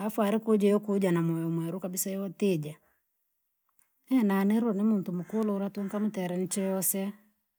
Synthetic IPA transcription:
afuaɾikod͡ʒɔjɔkud͡ʒanamɔjɔmwɛɾukabisaɛɔted͡ʒa | ɛnaneɾɔnimuntumukuloɾatuŋkamutɛɾɛnit͡ʃɔjɔsɛ

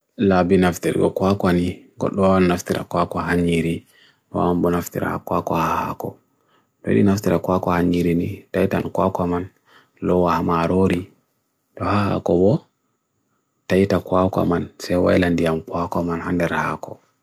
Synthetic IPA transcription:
labinaftiɾɡɔ̰kwakwaniɡɔ̰ɗːɔwaannaftiɾa̰kwakɔɦaɲiɾi | a̰mbɔnaftḭɾa̰hakwakɔhaha̰kɔ̰ | tɔ̰ɗḭnaftiɾakwakɔhaɲːiɾinitajtankwakwaman | lɔwahamaɾoɾi | tɔhaha̰kɔbɔ | tajtakwaka̰mansɛjwa̰jlandijamkwakamanhandɛɾaha̰kɔ

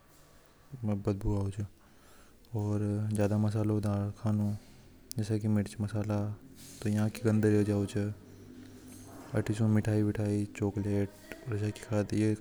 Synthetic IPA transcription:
mbɐt̪̚bʱuaːot͡ʃʰə | ɔːɾzjaːd̪amɐs̬aːlɦod̪aːɽkʰaːnõ | d͡ʒɛːsakimɪʈt͡ʃmɐsaːlat̪ojɐɦãkiɡɐ̃nd̪əɾiod͡ʒaːot͡ʃə | ɐʈʰit͡ʃõmɪʈʰaːibɪʈʰaːit͡ʃoːkleːʈ | ɔɾaki̥xʰaːd̪je

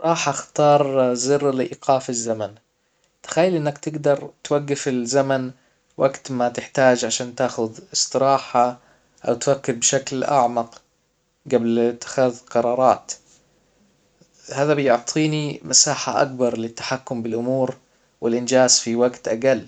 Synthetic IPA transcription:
ɾˤɑːħʔaxt̪ɑːɾˤzɨɾːlɪʔiːqʰɑːfɪzːaman | t̪ɪ̥xajːɪlʔɪnːakt̪ɪɡd̪ɑɾˤt̪waɡːɪfɪlzaman | wʔaɡt̪mat̪ɪħt̪aːd͡ʒʕaʃaːnt̪aːxʊðɪsˤt̪ˤɨɾɑːħa | ʔawt̪wakːɪɾbʃaklʔa̰ʕmɑq | ɡablt̪ːɪ̥xaːðqɑɾˤɑːɾˤɑːt̪ | haːðabɪjʊʕt̪ˤʰiːnimʔasaːħaʔa̰k̚bɑɾˤlɪt̪ːḁħakːʊmbɪlʔʊmuːɾ | wɪlʔɪnd͡ʒaːzfiwaɡt̪ʔaɡalː

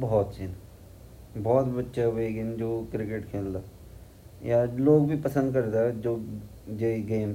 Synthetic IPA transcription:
bɔɦɔːt̪t͡ʃin | bɔːt̪bətːʃaʋeːɡɪnd͡ʒoːkɾɪkeʈkʰeːld̪aː | jaloːɡbʱipəsə̃nd̪̚kɐɾd̪ad͡ʒoː | d͡ʒeiɡeːm

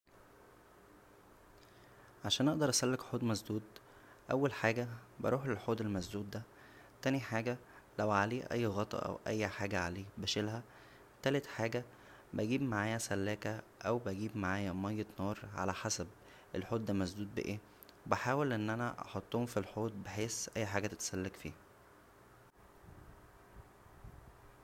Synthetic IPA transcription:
ʕaʃæːnʔɑʔd̪ɑɾˤʔæsælːekħoːd̪mæzd̪uːd̪ | ʔæ̰wːælħaːɡæbɑ̰ɾuːħlelħoːd̪elmæzd̪uːd̪̚ːæ | t̪æniħaːɡæ | læwʕaleːʔæ̰jːɣɑt̪ˤɑ̰ʔæ̰wʔæ̰jːħaːɡæʕaleːbæʃelɦæ | t̪æːlet̪ħaːɡæ | bæɡiːbmaʕaːjæsælːæːkæ | ʔæwbæɡiːbmaʕaːjæmæjːet̪nɑːɾˤʕa̰læħasæb̚ | ʔelħoːd̪dːæmæzd̪uːd̪̚bḛʔeː | webæħaːwelʔenːʔænæʔɑ̰ħot̪ˤːohomfilħoːd̪̚beħeːsʔæjːħaɡæːt̪æt̪sælːækfḭːhæ

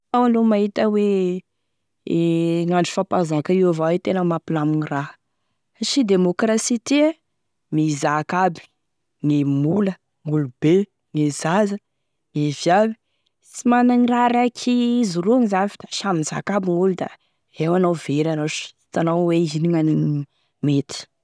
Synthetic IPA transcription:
awalomaɦit̪əwe | ŋaɳɖ͡ʐi̥fapazakaiwavawet̪enəmapilaminira | ʃid̪emokrasit̪ia | mizakabi̥ | ŋemulə | ŋulube | ŋezazə | ŋevjabi̥ | simanaŋiraɾakʰiizuɾuaŋizanfi̥t̪aʃaminza̰kabiŋulud̪a̰ | ewanawveɾanaʃi̥t̪anawweiniŋaniŋ | met̪i̥

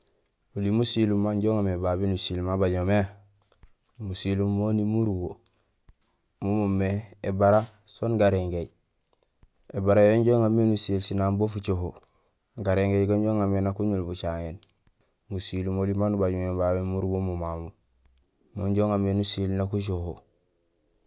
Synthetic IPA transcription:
ulimusilumːaɲɟoŋamebabenusilmabaɲome | musilumːonimuɾubo | mumumːeebaɾasoːnɡaɾeŋɡej | ebaɾajoɲɟoŋamːenusielsinambofut͡ʃoɦo | ɡaɾeŋɡejɡoɲɟoŋamenakuɲulbut͡ʃaŋen | musilumolimanubaɟomebabemuɾubomumamu | moɲɟoŋamenusilnakuʃ̬oho

